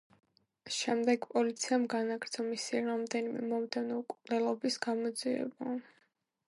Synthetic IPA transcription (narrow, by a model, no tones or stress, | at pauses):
ʃɛmd̪ɛɡpʼɔlit̪sʰiamɡanaɡɾt̪sʰɔmisiɾamd̪ɛnimɛ̰mɔmd̪ɛnɔukʼnɛlˠɔbisɡamɔd̪ziɛ̰ba